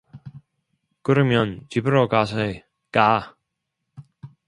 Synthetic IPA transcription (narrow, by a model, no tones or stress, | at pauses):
kɯɾɯmjʌnt͡ɕibɯɾokasʰʌ | k͈a